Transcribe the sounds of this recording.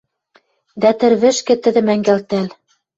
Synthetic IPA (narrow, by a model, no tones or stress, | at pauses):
d̪æt̪ɘ̆ɾβɘ̆ʃkɘ̆t̪ɘ̆ðɘ̆mæŋɡælʲt̪æl